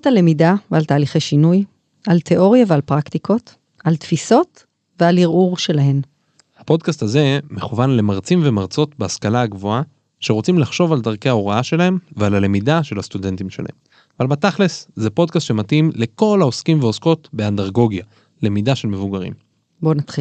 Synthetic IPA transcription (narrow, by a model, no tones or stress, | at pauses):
at̪alemidavealtaːliχeʃinuj | altʰe̞ʔo̞ʁjavealpʁakt̪iko̞t̪ | alt̪fiso̞t | vealiʁuʁʃe̞laɦe̞m | hapo̞d̪kastaze̞me̞χuvanle̞maʁt͡simve̞maʁt͡so̞t̪beaskalaːɡvo̞a | ʃeʁot͡simlaχʃo̞valdaʁke̞aoʁaaʃe̞lahe̞mvealale̞midaʃe̞lhast̪ude̞nt̪imʃela̰hḛm | avalbataχle̞szepo̞d̚kast̪ʃematimle̞ko̞lao̞skimveo̞sko̞t̪be̞andaʁɡo̞ɡja | le̞midaʃe̞lme̞vuɡaʁḭm | bo̞nat̪χi